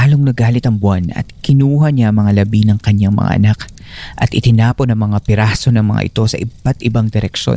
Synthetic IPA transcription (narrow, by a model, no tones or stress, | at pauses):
aːloŋnɐɡaːlɪt̪ɐŋbwanɐ̰t̪̚kɪnuːhɐɲaʔɐŋmɐŋalɐbinɐŋkɐɲaŋmɐ̰ŋa̰ʔɐ̰nak | ʔɐt̪ʔɪt̪ɪnaːpo̞nɐŋmɐŋapɪɾaːso̞nɐŋmɐ̰ŋa̰ʔɪ̰t̪o̞sɐʔɪb̥at̪ʔɪbaŋd̪ɛɾɛkʃo̰